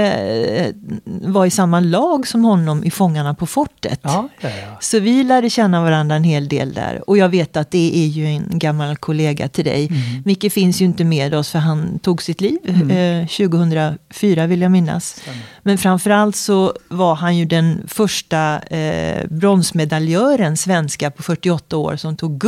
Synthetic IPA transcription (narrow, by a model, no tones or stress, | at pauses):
vaɾɪsamːalɑːɡsɔmhɔnːɔmʔɪfɔŋːaɳapʰɔfɔʈːə̰t̪ | sɔvɪlæːɖəɕɛnːavaɾand̪ɾaɛnheːld̪ḛːld̪æ̰ɾɔjɑːɡveːt̪at̪̚d̪ɛʔæɾjɵɛnɡamːalkʰʊleːɡa̰t̪ʰɪld̪ɛ̰jmɪkːəfɪnsjɵɪnt̪əmeːd̪ɔsfœɾɦant̪ʰuːɡsɪt̪liːvɕʉ̟ːɡʊhɵnd̪ɾafyːɾavɪljamɪnːa̰smɛnfɾamfœɾalt̪sɔvaɾɦanjɵd̪ɛnfœʂʈa | bɾɔnsmɛd̪aljœːɾənsvɛnskapʰɔfœʈːɪɔt̪ːao̰ːɾsɔmt̪ʰuːɡ